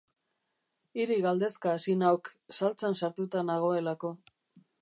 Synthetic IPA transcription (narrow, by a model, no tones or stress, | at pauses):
iɾiɣald̪e̞skaːsinawksalt͡sansaɾt̪ut̪anaɣ̞o̞e̞lako̞